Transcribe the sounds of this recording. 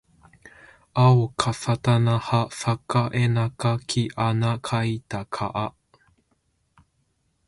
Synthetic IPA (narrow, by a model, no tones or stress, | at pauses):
ʔaokʰasatanahafakaʔenakakʰiʔanakʰajtakʰaʔa